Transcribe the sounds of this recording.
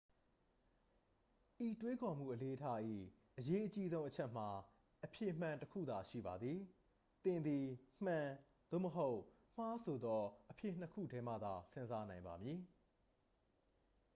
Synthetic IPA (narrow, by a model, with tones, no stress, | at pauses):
ʔi˨twe˦kʰɔ̃˨m̥ṵ˦˨ʔəle˦ʔətʰa˦ʔḭ˦˨ | ʔəje˦ʔət͡ɕi˦zõ˦ʊ̃ʔət͡ɕʰɛ˦ʔm̥a˨ | ʔəpʰjɪ˨m̥ã˨ntəkʰṵ˦˨d̪a˨ʃḭ˦˨ba˨d̪ði˨ | t̪ɪ̃˨nd̪i˨m̥ã˨ | d̪̥o̰˦˨məɦo˦ʊʔ | m̥a˦sʰo˨d̪ɔ˦ʔəpʰjɪ˦˨n̥əkʰṵ˦˨dɛ˦mä̰˦˨d̪a˨sɪ̃˦nza˦nã˨ɪ̃mba˨mji˨